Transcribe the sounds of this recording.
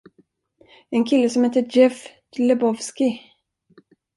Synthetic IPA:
ɛnkʰɪlːəsɔmheːt̪əd͡ʒɛf | lɛbɔvskɪ

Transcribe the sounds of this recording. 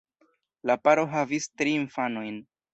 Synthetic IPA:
lapaɾo̞ɦavistɾiːnfano̞jn

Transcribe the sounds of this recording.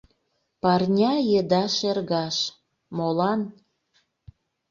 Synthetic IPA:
pɑrnʲɑjed̪ɑʃerɣɑʃ | molɑn

